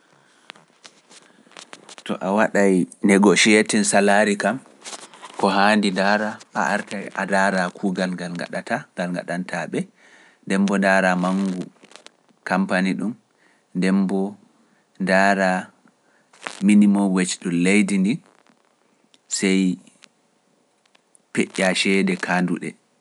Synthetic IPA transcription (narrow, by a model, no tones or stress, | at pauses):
tɔ̰ʔawaɗajnɛɡɔʃɛtɛnsalaɾikam | kɔɦaːndindaːɾapa̰ʔaɾtajʔadaɾakʰuːɡalɡalɡa̰ɗatʰaɡalŋɡa̰ɗantʰaɓɛ | ndɛmbɔndaːɾamaŋɡu | kampaniɗum | dɛmbɔ | daːɾa | minimɔwet͡ʃɗunlejdindi | sɛj | peʔaʃɛdɛkʰaːnduɗɛ̰